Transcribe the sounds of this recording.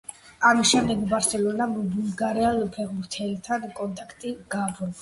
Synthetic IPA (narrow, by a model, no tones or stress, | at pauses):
amiʃɛmd̪ɛɡbaɾsɛlɔnabulɡaɾɛalpʰɛʁbuɾt̪ʰɛlt̪ʰankʼɔnt̪ʼakʰt̪ʼiɡ̥abɾɔ